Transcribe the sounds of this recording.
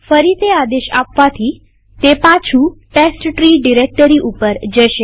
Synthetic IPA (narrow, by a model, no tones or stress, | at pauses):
fəɾit̪ead̪eʃa̰pʋat̪ʰi | t̪epat͡ʃʰuʈesʈʈɾiɖiɾek̚ʈəɾiʔupəɾd͡ʒəʃe